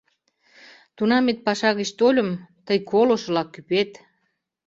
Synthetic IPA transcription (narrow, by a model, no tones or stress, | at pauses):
t̪unɑmet̪̚pɑʃɑɣeʃt̪olʲə̆mt̪əjkʰoloʃɤ̆lɑkːypet̪